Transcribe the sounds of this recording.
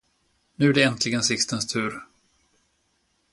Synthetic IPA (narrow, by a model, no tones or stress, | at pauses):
nʉ̟ːæɖɛɛnt̪ʰlɪɡənsɪkst̪ənst̪ʰʉ̟ːɾ